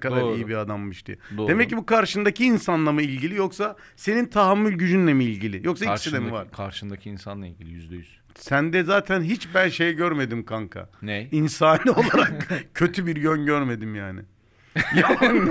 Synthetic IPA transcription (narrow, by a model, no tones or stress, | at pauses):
kad̪aɾɾijibiɾad̪amːɯʃt̪ɯ̰d̪oːd̪e̞mɛcːibukʰaɾʃɯnd̪aciːnsanlˠamɯilʲɟilʲijo̞ksa | se̞nint̪ʰaɦamːylʲɟyd͡ʒynlʲɛmiilʲɟilʲɪjo̞ksaii̥silʲemiva̰ɾ̥kʰaɾʃɯnd̪acʰiinsanlˠaḭlʲɟilʲijyzd̪ɛjyz̥ | sænd̪ɛzaːt̪ʰænɦit͡ʃbænʃe̞jɛɟøɾme̞d̪imkʰaŋkʰa̰nɛinsaːnɯo̞lˠaɾakcʰø̞t̪ʰybiɾjønɟøɾme̞d̪imjaːnɪ̰ | ja